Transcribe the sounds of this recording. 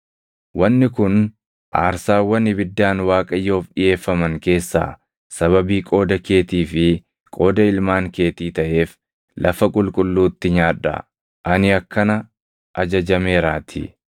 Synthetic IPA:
wɐnːɪkʊn | ʔa̰ːɾsaːwːɐnɪbɪd̪ːaːnwaːkʼɐjːo̞ːfɗɪje̞ːfːɐmɐŋke̞ːsːa̰ː | sɐβɐbiːkʼo̞ːd̪ɐke̞ːt̪iːfɪ | kʼo̞ːd̪ɐɪlmaːŋke̞ːt̪iːt̪ɐʔe̞ːf | lʔɐfɐkʼʊlkʼʊlːuːt̪ːɪɲaːᶑɐ̰ | ʔɐnɪɐkːɐnɐ | ʔɐd͡ʒɐd͡ʒɐme̞ːɾaːt̪ʰɪ̰

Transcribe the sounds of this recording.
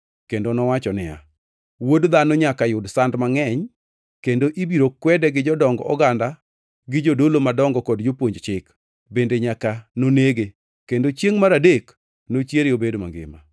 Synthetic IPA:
kendonɔwat͡ʃɔnɪja̰ | wodd̪anoɲakajʊdsandmaŋɛɲ | kendoʔibiɾokwɛdɛɡɪd͡ʒɔdɔŋɡɔʔɔɡanda | ɡɪd͡ʒodolomadɔŋɡɔkɔdd͡ʒopwoɲd͡ʒt͡ʃɪk | bendeɲakanoneɡe | kendot͡ʃjeŋmaɾadek | not͡ʃjeɾeobedoma̰ŋɡɪ̰ma̰

